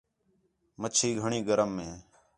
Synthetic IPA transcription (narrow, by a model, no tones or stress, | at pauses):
mət͡ʃʰiːɡʱəɳiːɡəɾəmːẽː